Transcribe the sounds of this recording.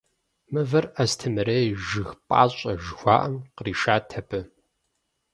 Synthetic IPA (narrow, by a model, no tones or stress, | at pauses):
mɨvɐrɐstʰɨmɨɾɐjʒɨxpʼa̰ːɕʼɐʒxʷɑːʔɐmqriːʃaːtʰɐpʰɨ